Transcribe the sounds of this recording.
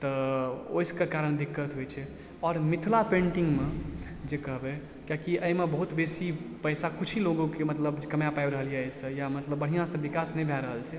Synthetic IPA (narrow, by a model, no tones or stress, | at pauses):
t̪əo̰jskekaɾəɳ̃d̪ikːət̪ɦojt͡ʃʰɛ | ɔːɾmit̪ʰlapẽɳʈiŋɡme | d͡ʒekəɦbɛ | kjakiʔəjmebəɦut̪besipəjsakut͡ʃʰiloɡõkemət̪ləbkəmjapajbɾəɦəljasə̃jamət̪ləbːəɽ̤ijãsə̃bikasnəjbʱɛɾəɦəlt͡ʃʰɛ